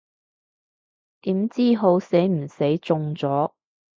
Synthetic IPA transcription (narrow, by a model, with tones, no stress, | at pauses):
t̪iː˨˥mt͡siː˥˩ɦo˧wse˨˥jm̩˨˩se˨˥jt͡sʊ˧ŋt͡sɔː˨˥